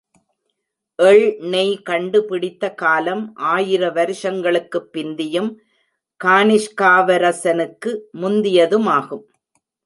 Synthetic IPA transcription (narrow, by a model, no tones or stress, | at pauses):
ʔɛɭnɛɪkɐɳɖɯpɪɽɪt̪ːɐkaːlɐmʔaːjɪɾɐʋɐɾɯʂɐŋɡɐɭɯkːɯpːɪnd̪ɪjɯm | kaːnɪʂkaːʋɐɾɐsɐnɯkːɯmʊnd̪ɪjɐðɯmaːɣɯm